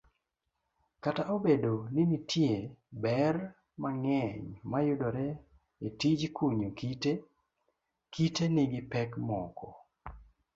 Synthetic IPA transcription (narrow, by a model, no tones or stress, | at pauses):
kataʔobedonɪnitʰjebɛr | maŋɛɲmajʊdoɾɛ | etid͡ʒkuɲukite | kiteniɡɪpɛkmɔkʰɔ